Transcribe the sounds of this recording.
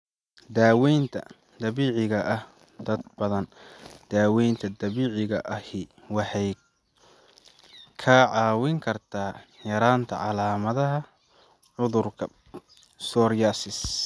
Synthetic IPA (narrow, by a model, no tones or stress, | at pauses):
d̪aːwɛjnt̪ʰɐ̰ | d̪ɐβiːʕɪɣɐʔɐh | d̪̥ɐd̪̚bɐðɐnd̪̥aːwɛjnt̪ʰɐd̪ɐβiːʕɪɣɐʔɐhɪ | wɑħɑj | kʰɐʕɑːwɪŋkʰɐrt̪ʰaːjɐɾaːnt̪ʰɐ̰ʕɑlaːmɐðɐɦɐ | ʕʊðʊrkʰɐ | sɔːɾjasɪs